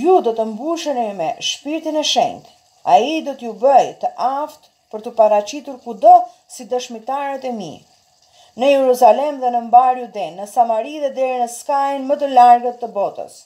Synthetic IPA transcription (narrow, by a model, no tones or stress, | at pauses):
jud̪ɔt̪əmbuʃɛnimɛʃpiɾt̪inɛʃɛ̰ɲt̪ | a̰id̪ɔt̪əjubəjt̪əʔaft̪ | pəɾt̪əpaɾat͡ɕit̪uɾkud̪ɔ | sid̪əʃmit̪aɾət̪ɛmḭ | nəjɛɾuzalɛmðɛnəmbaɾjud̪ɛnːəsamaɾiðɛd̪ɛɾinəskajinmət̪̬əlaɾɡət̪ːəbɔt̪ə̰s